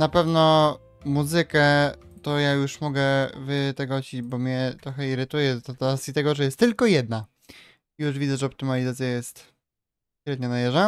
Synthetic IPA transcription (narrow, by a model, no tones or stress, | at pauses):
napɛvnɔ | muzɘkɛt̪ɔjajuʂmɔɡɛvɘt̪ɛɡɔt͡ɕid͡ʑbɔmɲɛt̪ɾɔxɛiɾɘt̪ujɛt̪ɔt̪asit̪ɛɡɔʐɛjɛst̪ːɘlkɔjɛd̪̚na | juʐvʲidzɛʐɛɔp̚t̪ɘmalʲizat̪sʲjajɛst̪ | ɕɾɛd̪̚ɲanajɛʐɛ